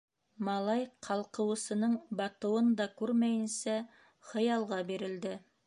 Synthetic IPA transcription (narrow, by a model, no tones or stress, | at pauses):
mɑlˠɑjqʰɑlˠqɤ̆wɤ̆sɤ̆nɤɴbɑt̪ɤ̆wɤnd̪ɑkʉɾmæjɘ̆nsæ | χɤ̆jɑlˠʁɑbiɾɘ̆ld̪ɘ